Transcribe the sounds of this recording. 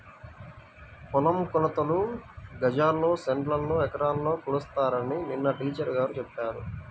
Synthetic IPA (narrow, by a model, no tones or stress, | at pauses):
kɔlɐmkulɐt̪ɐluɡɐd͡ʒaːlːo̞ːseɳʈlɐlːoːɛkɐɾaːllo̞ːkulust̪aːɾɐnininːɐʈiːt͡ʃɐɾɡaːɾut͡ʃɛpːaːɾu